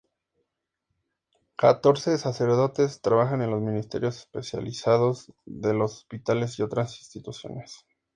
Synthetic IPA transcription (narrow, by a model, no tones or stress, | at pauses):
kat̪o̞ɾse̞sase̞ɾðo̞t̪e̞st̪ɾaβaxane̞nlo̞zmĩnist̪e̞̰ɾjo̞se̥spesja̰lisaðo̞zðe̞lo̞so̥spit̪ale̞s̬io̞t̪ɾasinst̪it̪usjo̞̰nes